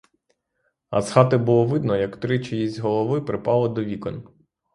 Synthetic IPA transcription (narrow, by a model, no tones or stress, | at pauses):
ɐ̰sxɑt̪ɪbuʊlˠɔʋɪd̪nɔjɐkt̪ɾɪt͡ʃɪjizʲɦɔlˠɔʋɪpɾɪpɑlˠɔd̪ɔʋʲikɔn